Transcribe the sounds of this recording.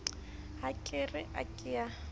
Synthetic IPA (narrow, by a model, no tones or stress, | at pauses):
hakʼerɪʔa̰kʼɪja